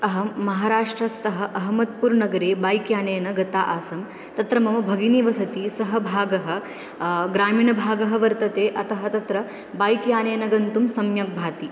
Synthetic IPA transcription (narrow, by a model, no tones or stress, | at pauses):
ɐɦɐmɐɦaːɾaːʂʈɾɐst̪ɐɦɐ̆ʔɐɦɐmɐt̪̚puːɾnɐɡɐɾeːbaːjkjaːneːnɐɡɐt̪aːʔaːsɐm | t̪ɐt̪ɾɐmɐmɐbʱɐɡiniʋɐsɐt̪isɐɦɐbʱaːɡɐɦɐ̆ | ɡɾaːmiːɳɐbʱaːɡɐɦɐʋɐɾt̪ɐt̪eːʔɐt̪ɐɦɐt̪ɐt̪ɾɐ | baːjkjaːneːnɐɡɐnt̪umsɐmjɐk̚bʱaːt̪i